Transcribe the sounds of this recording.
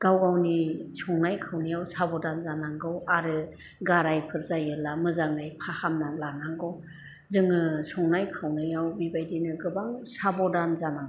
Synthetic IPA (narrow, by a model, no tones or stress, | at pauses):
ɡ̥awɡawnisɔŋnajkʰawnɯjawsabɔdanzanaŋɡɯwaɾɯ | ɡaɾajpʰɯɾzajɯlamɯzaŋnajpʰahamnalanaŋɡɯw | zɯŋɯsɔŋnajkʰawnɯjawbibajdinɯɡɯbaŋsabɔdanzanaŋ